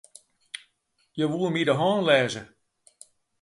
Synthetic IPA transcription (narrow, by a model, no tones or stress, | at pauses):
jəʋumidəɦɔːnlɛːzə